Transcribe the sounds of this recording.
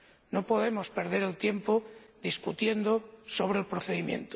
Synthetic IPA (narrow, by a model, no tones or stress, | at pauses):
nopo̞ðe̞mospe̞ɾð̞e̞ɾelt̪je̞mpod̪iskut̪je̞nd̪oso̞β̞ɾelpɾoθe̞ðimjḛnt̪o̥